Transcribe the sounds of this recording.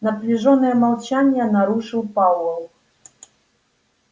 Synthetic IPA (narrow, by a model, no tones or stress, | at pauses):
nɐplʲiʐɔnɨjɛmalˠt͡ʃanʲjɛnaɾuʂɨwpawɔlˠ